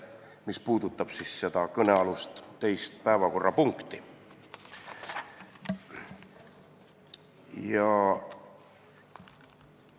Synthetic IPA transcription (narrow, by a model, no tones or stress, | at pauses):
mispuːd̪̥ut̪ːˑɑb̥sisse̞d̪̥ɑkɤneɑlust̪t̪ːe̞jst̪̚pæevɑko̞rːɑpuŋkt̪ˑi | jɑ